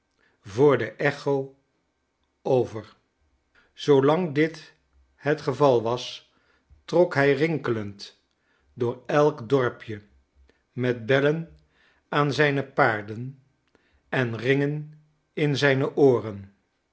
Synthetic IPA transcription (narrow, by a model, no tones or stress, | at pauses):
vʊːɹdəʔɛχow | owvəɹ | z̥owlɑŋdɪt | hətχəvɑlˠʋɑs | trɔkɦɛjrɪŋkələnt | dʊːɹɛlˠkdɔɹpʰjə | mɛd̚bɛlən | aːnzɛjnəpaːɹdən | ɛnrɪŋən | ɪnzɛjnəʔoːrən